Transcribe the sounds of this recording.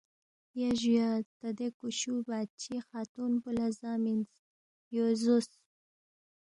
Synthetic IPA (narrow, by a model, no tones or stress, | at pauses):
jaʒujat̪ad̪ekuʃubat͡ʃixat̪unpulazɑminz | jozus